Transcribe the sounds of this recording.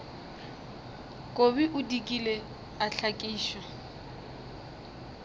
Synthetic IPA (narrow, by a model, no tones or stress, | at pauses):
kʼobiʔʊdikʼile | aɬʰakʼiːʃwa